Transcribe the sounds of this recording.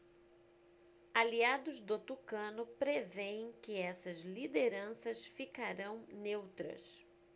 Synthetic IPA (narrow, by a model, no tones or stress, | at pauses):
aliad̪ʊzd̪ot̪ukɐ̃nʊpɾevẽj̃kɪɛsɐzlid̪eɾɐ̃sɐsfikaɾɐ̃w̃newt̪ɾɐ̰s